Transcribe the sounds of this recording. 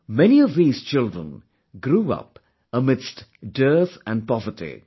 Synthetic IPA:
mɛniɔvðiːz̥t͡ʃɪldɹə̰̃n | ɡɾuʌ̰p | əmɪdstdɜːθæ̃n̚pɔvətḭ

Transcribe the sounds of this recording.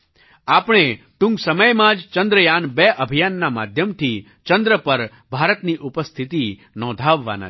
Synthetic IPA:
apɳ̃e | ʈũŋɡsəməjmãd͡ʒt͡ʃə̃nd̪ɾəjanbeʔəbʱijanːama̰d̪ʱjəmt̪ʰi | t͡ʃə̃nd̪ɾəpəɾ | bʱaɾət̪niʔupəst̪ʰit̪i | nɔ̃d̪ʱaʋːa̰na̰

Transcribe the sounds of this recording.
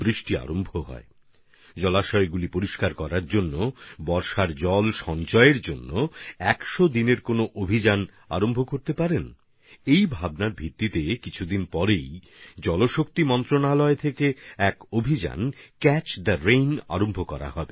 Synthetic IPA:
bɾiʃʈia̰ɾombʱoɦɔ̰e | d͡ʑɔlaʃɔeɡulipoɾiʃkaɾkɔɾaɾd͡ʑonːobɔɾʃaɾd͡ʑɔlʃɔnt͡ɕɔeɾd͡ʑonːoɛkʃod̪ineɾkonoʔobʱid͡ʑan | aɾombʱokoɾt̪epaɾen | ejbʱabnaɾbʱit̪ːit̪ekit͡ɕʰud̪inpɔɾej | d͡ʑɔloʃok̚t̪imɔnt̪ɾonalɔet̪ʰekeɛkobʱid͡ʑa̰nkɛt͡ɕd̪əɾejna̰ɾombʱokɔɾa̰hɔbe

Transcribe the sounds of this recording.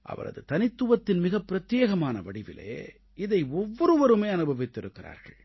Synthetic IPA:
ʔɐ̰ʋɐ̰ɾɐ̰ðɯt̪ɐnɪt̪ːɯʋɐt̪ːɪnmɪɣɐpːɪɾɐt̪jeːɣɐmaːnɐʋɐɽɪʋɪ̰lḛː | ɪðɐɪɔʋːɔɾɯʋɐɾɯmeɪɐnɯbʱɐʋɪt̪ːɪɾɯkːɪɾa̰ːɾɣɐ̰ɭ

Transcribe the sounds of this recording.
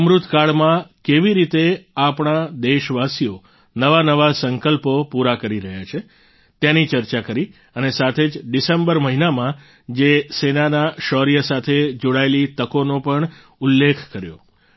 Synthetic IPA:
mɾut̪kaɭmãkeʋiɾit̪eapɳ̃ad̪eʃʋasijo | nəʋanəʋasəŋkəlpopuɾakəɾiɾəɦjat͡ʃʰe | t̪janit͡ʃəɾt͡ʃakəɾi | ənesat̪ʰed͡ʒɖisembəɾməɦinamã | d͡ʒesenanaʃɔɾijəsat̪ʰed͡ʒoɽaelit̪əkonopəɳ | ulːekʰkəɾjo̰

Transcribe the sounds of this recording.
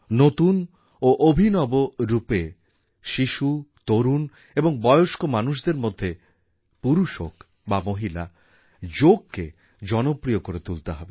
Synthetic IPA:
not̪un | oʔobʱinɔboɾupe | ʃiʃut̪oɾun | eboŋbɔeoʃkomanuʃ̬d̪eɾmod̪ʱːe | puɾuʃok | bamoɦila | d͡ʑoɡ̚ke | d͡ʑɔnopɾijokoɾet̪ult̪eɦɔbe

